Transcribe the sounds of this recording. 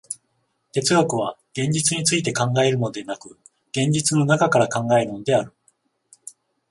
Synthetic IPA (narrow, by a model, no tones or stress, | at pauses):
t̪e̞t͡sɨɡakɯ̟β̞aɡ̥ẽ̞ɲ̟d͡ʑit͡sɨɲ̟it͡sɨit̪e̞kãŋɡae̞ɾɯ̟no̞d̪e̞nakɯ̟ | ɡ̥ẽ̞ɲ̟d͡ʑit͡sɨno̞nakakaɾakãŋɡae̞ɾɯ̟no̞d̪e̞aɾɯ̟